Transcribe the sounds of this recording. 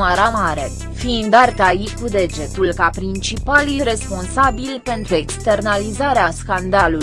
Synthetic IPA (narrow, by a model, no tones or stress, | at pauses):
məɾamaɾe̞ | fiind̪art̪ajikud̪e̞d͡ʒe̞t̪ulkapɾint͡ʃipalire̞spo̞nsabilpe̞nt̪ɾue̞kst̪e̞rnalizaɾeaskand̪alu